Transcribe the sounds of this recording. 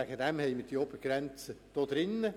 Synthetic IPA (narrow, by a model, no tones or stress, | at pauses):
æɡ̥əd̥ɛmhɛɪməd̥iɔbərɡɾɛnt͡səd̪̥oːd̪̥ɾɪnːə